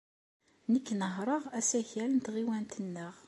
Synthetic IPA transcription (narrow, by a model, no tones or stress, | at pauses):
nəkːnəɦɾˤəʁæsæçælənt̪ʁiwænt̪ənːəʁ